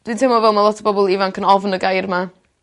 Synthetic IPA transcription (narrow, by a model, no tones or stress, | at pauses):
d̥wintʰemɔvɛlˠmalˠɔtʰəbɔbɔlˠivankʰənɔvnəɡajrma